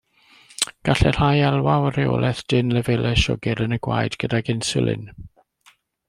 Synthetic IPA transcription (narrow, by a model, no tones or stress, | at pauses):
ɡ̥aɬɛr̥ajɛlˠwawəɾeo̰lˠʔɛθd̥ɪnlɛvɛlɛʃɔ̰ɡɪɾənəɡwa̰jdɡədaɡɪnsɪlɪ̰n